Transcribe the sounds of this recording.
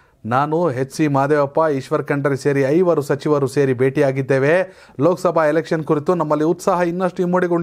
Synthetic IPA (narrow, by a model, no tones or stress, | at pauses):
naːnuɦetːsimaːd̪eʋɐpːaiʃʋɐɾkɐɳɖɐɾise̞ːɾiɐjʋɐɾusɐt͡ʃiʋɐɾuse̞ːɾibeːʈiaːɡid̪ːeːʋe | loːksɐbʱaːelekʂɐnkuɾit̪unɐmːɐlːiut̪saːɦɐinːɐʂʈuimːoːɽiɡoɭ